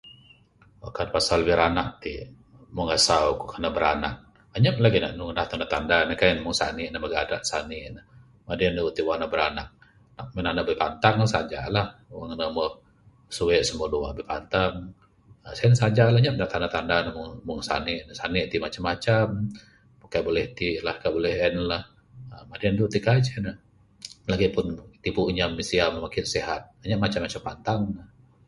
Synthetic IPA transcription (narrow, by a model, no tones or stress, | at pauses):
a̰kanpasalwiɾanak̚t̪i | muŋəsaukukənabəɾana̰k̚ | əɲəp̚laɡina̰ʔnuŋnaht̪andat̪andanəhkajnmʊŋsa̰niʔnəməɡadaʔsaniʔnə | madiənəut̪iwanabəɾanak̚ | naʔmənanəʔbəpant̪aŋəsad͡ʒa̰lahwaŋnəməh | suweʔsəmuəduwa̰ʔbəpant̪aŋ | əsansad͡ʒalahɲaʔpnaʔt̪andat̪andanəmʊŋmuŋsa̰nɪʔsanɪʔt̪imat͡ʃamːat͡ʃam | mukaʔbolɛht̪ilahkabolɛhɛnlah | əmadiandut̪ikad͡ʒɛnə | laɡipʊnt̪ipuʔɲamːisiaməmakɪnseɦat̪̚ɲaʔmat͡ʃamːat͡ʃampant̪aŋnəh